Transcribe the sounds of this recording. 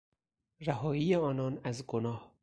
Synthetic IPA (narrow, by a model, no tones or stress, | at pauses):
ræɦɒːiːeɒːnɒːnæzɡonɒːh